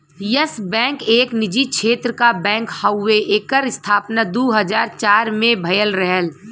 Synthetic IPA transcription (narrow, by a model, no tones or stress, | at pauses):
jəsbɛ̃ːŋkeːknɪd͡ʒiʃʰeːt̪ɾəkabɛ̃ːŋkhəʊːeʔeːkəɾɪst̪ʰaːpnad̪uːɦəzaːɾt͡ʃaːɾmẽbʱɐjəlɾɛɦəl